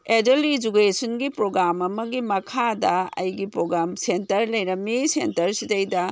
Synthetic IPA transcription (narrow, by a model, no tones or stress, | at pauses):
edelid͡ʒukesonɡipɾoɡɾamɐmɐɡimɐkʰadɐɐ̰jɡipɾoɡɾamsentɐɾlɐjɾɐmisḛntɐɾsitɐjdɐ